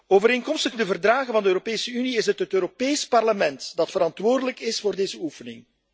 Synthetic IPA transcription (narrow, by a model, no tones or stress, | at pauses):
oːvəɾeːŋkɔmstəɣdəvərdraːɣənvɑndəøːɾopeːsəyniɪsətɦətøːɾopeːspɑrləmɛntdɑtfəɾɑntʋoːrdələkɪsfoːrdeːzəufənɪ̰ŋ